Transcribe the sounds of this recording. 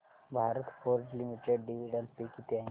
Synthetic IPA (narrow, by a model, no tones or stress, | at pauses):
bʱaɾət̪foɾʈlimiʈeɖɖiʋiɖənpikit̪jã